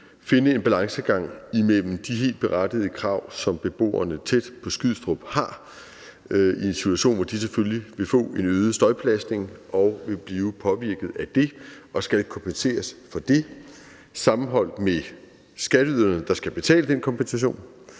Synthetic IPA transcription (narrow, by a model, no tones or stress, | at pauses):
fe̝nəe̝nb̥ælɑ̈ŋsəɡ̥ɑ̈ŋ̰imel̰m̩d̥iɦe̝̰ːld̥̚b̥e̝ʁɑd̥ið̞ˠəkʰʁɑ̈ʊ̰sɒ̽mb̥e̝b̥o̝̰ːɐ̰nət͡sʰed̥pʰɒ̽sɡ̥yð̰ˠsd̥ʁɔb̥hɑ̈ | ie̝nsi̥t͡sʰuæɕo̰ːnʋɒd̥iseføljiʋe̝fɔ̰̽ːe̝nøːð̞ˠəsd̥ɒ̽ɪpʰlæsd̥ne̝ŋʔɒ̽ʊʋe̝b̥liːʊpʰɒ̽ʋiɐɡ̥ð̞̩ˠæd̥e̝ʔɒ̽sɡ̥ælkʰɒ̽mpʰense̝̰ːɐsfɒ̽d̥e̝ | sɑ̈mm̩ɦɒ̽l̰d̥me | sɡ̥æɾ̥əyð̰ˠɐn̩d̥ɑ̈sɡ̥æb̥e̝t͡sʰɛ̰ːləd̥enkʰɒ̽mpʰensæɕ̬o̝̰ːn